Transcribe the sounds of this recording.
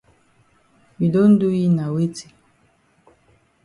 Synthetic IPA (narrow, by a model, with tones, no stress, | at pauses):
mi˨do˦n̩˦du˦ji˦na˨we˦ti̥˨